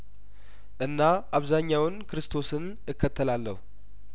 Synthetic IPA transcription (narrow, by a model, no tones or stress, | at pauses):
ʔɨnːaʔaβzaɲːawɨnkɨɾɨst̪ʰo̞sɨn | ɨkːət̪ʰːəlalːə̰hu